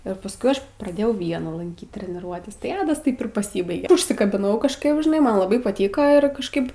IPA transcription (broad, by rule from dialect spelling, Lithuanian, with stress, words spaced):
ɪr pɐsˈkʊɪ ˈɐʃ prɐˈdʲeːjɛʊ ˈʋʲiɛnɐ lˠɐŋʲˈkʲiːt tʲrʲɛnʲɪˈruɔtʲɛs tɐɪ ˈɑːdɐs ˈtɐɪp ɪr pɐˈsʲiːbɐɪɡʲɛ ʊʃʲsʲɪkɐbʲɪˈnɐʊ kɐʃˈkɐɪp ʒʲɪˈnɐɪ ˈmɐn lˠɐˈbɐɪ pɐˈtʲiːkɐ ɪr kɐʃˈkɐɪp